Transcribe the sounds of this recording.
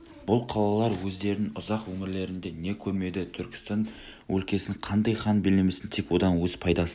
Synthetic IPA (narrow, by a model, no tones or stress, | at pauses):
b̥ʊlˠqʰɑlˠɑlˠɑɾwɵzd̪e̞ɾnɪŋʊzɑqwɵmɪɾle̞ɾɪnd̪e̞ne̞kʲʰɵme̞d̪ɪt̪ʰʏɾkʲɪ̥st̪ɑn | wɵ̰lkʲe̞sɪŋqʰɑnd̪ɑjχɑnbɪlemesɪnt̪ʰe̞kwo̞d̪ɑnwɵz̥pʰɑjd̪ɑsə